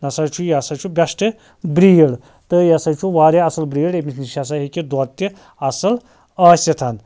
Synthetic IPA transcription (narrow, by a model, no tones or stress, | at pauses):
nɐsɐt͡ʃʰujasɐt͡ʃʰubʲɐsʈɨ | bɾiːɽ | t̪ɨjɐsɐt͡ʃʰuʋaːɾeɐsɐlbɾiːɽemisniʃas̬aɦikid̪ɔt̪ːi | ɐsɐl | ɐːsʲɐt̪ʰɐn